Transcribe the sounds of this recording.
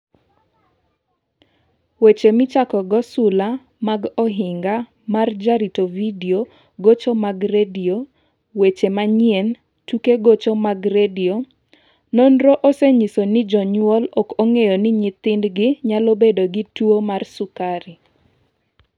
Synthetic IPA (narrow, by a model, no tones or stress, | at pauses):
wet͡ʃemɪt͡ʃakɔɡɔsʊla | maɡɔɦɪŋɡa | mard͡ʒaɾitovidio | ɡot͡ʃomaɡredio | wet͡ʃemaɲiɛn | tukeɡot͡ʃomaɡɾedio | nonɾoʔoseɲisonɪd͡ʒɔɲʊɔlɔkoŋejonɪɲɪt̪ɪndɡɪɲalobedoɡɪtuomarsukaɾi